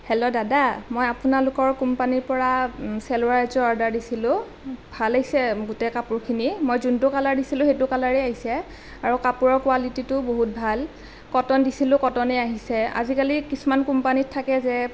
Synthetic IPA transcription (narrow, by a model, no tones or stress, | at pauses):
hɛlɔdadamojapʊnalʊkɔɹkumpaniɹpɔɹasɛlʊɹaɹzɔaɹdaɹdisilʊ̃ | bʱalaɦisɛɡutɛkapʊɹkʰinimojzuntʊkalaɹdisilʊ̃xetʊkalaɹɛaɦisɛ | aɹukapuɹɔɹkwalititʊboɦut̚bʱal | kɔtɔndisilʊ̃kɔtɔnɛaɦisɛa̰zikalikisumankumpanittʰːakɛzɛ